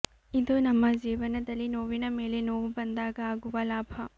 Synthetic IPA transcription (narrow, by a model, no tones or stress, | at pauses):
id̪ʱonɐmːɐd͡ʒiːʋɐnɐd̪ɐlːinoːʋinɐmeːlenoːʋubɐnd̪aːɡɐaːɡuʋɐlaːbʱɐ